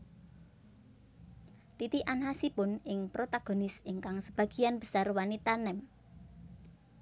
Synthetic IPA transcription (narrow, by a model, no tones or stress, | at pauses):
t̪it̪iʔanɦasipʊnɪŋpɾot̪aɡ̥o̤nɪsiŋkaŋsəb̥ä̤ɡ̥i̤anb̥ə̤̥sarwanit̪anɛm